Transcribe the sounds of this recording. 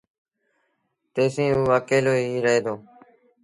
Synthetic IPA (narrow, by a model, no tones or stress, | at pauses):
t̪eːsĩːuːʋaːkeːloːiːɾəɦeːd̪oː